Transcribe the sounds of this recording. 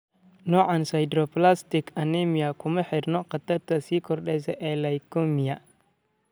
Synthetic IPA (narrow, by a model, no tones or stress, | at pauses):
noʔansajdɾoplastikanemijakuməħiɾnoqat̪atasikɔɾɗezeʔelajkomija